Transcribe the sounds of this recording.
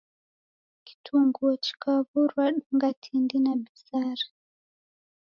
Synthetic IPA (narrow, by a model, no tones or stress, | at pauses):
ki̥tʰuŋɡuɔt͡ʃi̥kaβuɾwaɗuŋɡatʰindinabisaɾa